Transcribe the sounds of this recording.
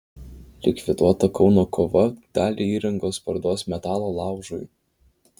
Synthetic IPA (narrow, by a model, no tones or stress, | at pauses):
lʲɪkʲʋʲɪd̪uɔt̪ɐkɒʊnoːkʰoːʋɐd̪̥ɑːlʲiiːɾɐŋɡoːspɐɾd̪oːsmʲɛt̪ɑːlˠoːlˠɑˑʊʒʊ̰j